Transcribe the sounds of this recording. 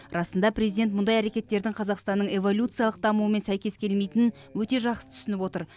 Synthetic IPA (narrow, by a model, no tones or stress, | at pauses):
rɑsənd̪ɑprʲezijd̪ent̪mʊnd̪ɑjæɾe̞kʲe̞t̪ːe̞ɾd̪ɪŋqʰɑzɑqst̪ɑnːəɴe̞vo̞lʲut̪sɨjɑlˠəq̚d̪ɑmuwəmensæjkʲe̞skʲʰe̞lmejt̪ɪnɪn | wɵt̪e̞ʒɑqsə̥t̪ʰʏ̥sɪnɪpwo̞t̪əɾ